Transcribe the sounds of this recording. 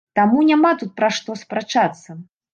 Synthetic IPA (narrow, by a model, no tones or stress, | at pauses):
t̪amunʲamat̪ut̪̚pɾaʂt̪ɔspɾat͡ʂat̪sːɐ